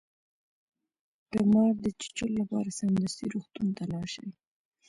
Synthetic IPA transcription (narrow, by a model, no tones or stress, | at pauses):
d̪̥əmɑɾd̪ət͡ʃɪ̥t͡ʃəlːapɑɾasamd̪ast̪iɾuxt̪unt̪alɑʃə̰w